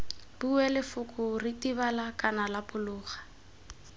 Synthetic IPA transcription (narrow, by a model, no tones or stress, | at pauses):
buɛlɪfʊkʼʊritiβalakʼanalapʊlʊːχḁ